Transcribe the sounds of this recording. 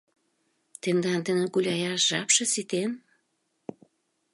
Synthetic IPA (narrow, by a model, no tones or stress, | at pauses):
t̪end̪ɑnd̪ənĕkulʲɑjɑʃʒɑpʃĕsit̪en